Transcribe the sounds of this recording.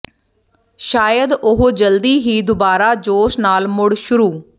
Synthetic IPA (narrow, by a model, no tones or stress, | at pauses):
ʃaːjəd̪ʊɦod͡ʒəld̪iːɦiːd̪ʊbaːɾaːd͡ʒoːʃnaːlmʊɽʃʊɾuː